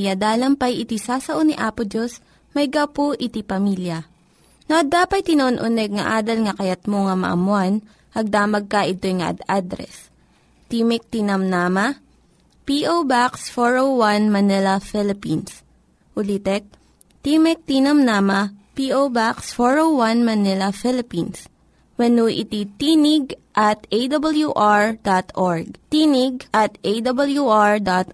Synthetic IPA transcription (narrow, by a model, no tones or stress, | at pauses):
jɐd̪aːlɐmpɐjʔɪt̪isaːsɐʔoniʔaːpʊd͡ʒos | mɐjɡɐwpoʔɪt̪ipɐmiljɐ | noʔɐd̪ːaːpɐj̪̚t̪ɪnɐʔonʔʊnɛɡ̚ŋɐʔaːd̪ɐlŋɐkɐjɐt̪̚moŋɐmɐ̰ʔɐ̰mʊan | ʔɐɡ̚d̪aːmɐɡ̚kɐʔɪt̪ojŋɐʔɐ̰d̪ad̪ɾɛ̰s | t̪imɛk̚t̪inɐmnaːmɐ | piʔowbaksfoɹowwanmɐnɛlɐfɪlɪpins | ʔʊlit̪ɛk̚ | t̪iːmɛk̚t̪inɐmnaːmɐpiːʔowbaksfoɹowwɐnmɐnɪlɐfɪlɪpins | wɛnuʔɪ̰t̪it̪iːnɪɡʔɐt̪ejd̪ɐbɐljuʔaɹd̪at̪ʔoɹɡ̚t̪iːnɪɡ̚ʔɐt̪ʔejd̪ɐbɐljuʔaɹd̪at̪